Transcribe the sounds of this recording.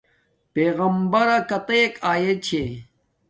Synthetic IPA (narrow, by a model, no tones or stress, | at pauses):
peːɣɐmbɐɾɐkɐt̪ɐjekaːjet͡ɕʰe